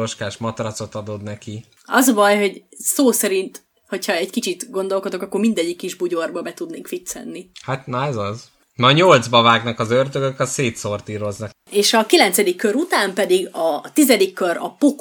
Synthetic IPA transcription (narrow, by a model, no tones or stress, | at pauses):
oʃkaːʃmɒt̪ɾɒt̪so̞t̪ɒd̪o̞d̪nɛki | ɒ̰zvɒjɦo̞ɟsoːsɛɾint̪ | ho̞cʰhɒɛɟkit͡ʃit̪ɡo̞nd̪o̞lkod̪o̞kɒkːo̞rmind̪ɛɟːikːiʒbuɟo̞rbɒbɛt̪ud̪neːŋkfit̪sɛ̰nːihat̪najzɒz | nɒɲold̪zbɒvaːɡnɒkɒzørd̪øɡøkɒseːt̪sort̪iːɾo̞znɒk | eːʃɒkilɛnt̪sɛd̪ikːøɾut̪aːmpɛd̪iɡɒt̪izɛd̪ikːøɾɒ̰pok